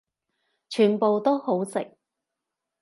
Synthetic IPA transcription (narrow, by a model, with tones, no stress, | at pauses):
t͡ʃʰyː˨˩npo˨wt̪o˥who˨˥wsɪ̰˨k̚